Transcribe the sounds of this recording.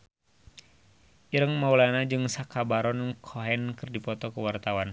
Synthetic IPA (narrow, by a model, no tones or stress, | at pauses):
ʔiɾəŋmaulanad͡ʒɨŋsakabaɾɔnkʰoɦɛnkɨrdipɔt̪ɔkəwart̪awan